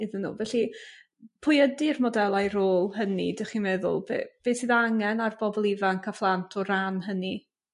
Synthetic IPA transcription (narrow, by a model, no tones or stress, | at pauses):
ɪðənːṵːvɛɬi | pʰʊjədɪrmɔdɛlˠajɾoːlˠhənidɛχimɛðʊ̰lˠbḛːb̥eːsɨːðaŋɛnarb̥ɔbɔlˠɪvankʰaflˠantʰɔranɦəni